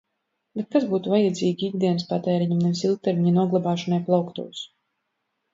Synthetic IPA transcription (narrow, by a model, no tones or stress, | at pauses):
bet̪̚kazbuːt̪uvajad̪zʲiːɡʲiiɡd̪iɛnspat̪ɛːɾiɲamnɛvsilˠk̚t̪ɛɾmʲiɲanuɔɡlˠabaːʃɔnajplˠawkt̪ṵɔs